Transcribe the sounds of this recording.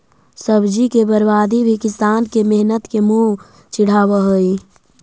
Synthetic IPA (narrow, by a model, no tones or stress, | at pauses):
səbd͡ʒikebəɾbaːd̪ʱibʱikɪst̪aːnkemeɦnət̪kemũ | t͡ʃɪɽ̤aːwəɦoi